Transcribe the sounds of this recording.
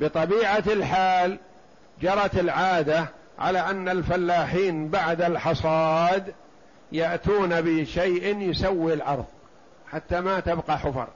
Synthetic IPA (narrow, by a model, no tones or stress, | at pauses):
bɨt̪ˤɑbiːʕalħaːl | d͡ʒɑɾˤɑt̪ɪlʕaːd̪a | ʕa̰laʔanːalfalːaːħiːnbaʕd̪alħɑsˤɑːd̪ | jaʔt̪uːnabɪʃajʔɪnjʊsawːilʕɑɾˤðˤ | ħat̪ːamat̪abqɑħʊfɑ̰ɾˤ